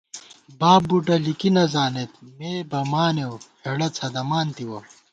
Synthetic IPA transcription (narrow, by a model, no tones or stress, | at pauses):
baːbbuʈɐlikinɐzaːnet̪̚meːbɐmaːnewheɽɐt͡sʰɐd̪ɐmaːnt̪iwɐ̰